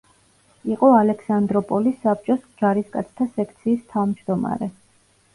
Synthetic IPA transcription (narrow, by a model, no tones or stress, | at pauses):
iqʼɔalɛksand̪ɾɔpʼɔlisːap̚t͡ʃʼɔsd͡ʒaɾiskʼa̰t̪sʰt̪ʰasɛkʰt̪sʰiːst̪ʰavmd͡ʒd̪ɔma̰ɾɛ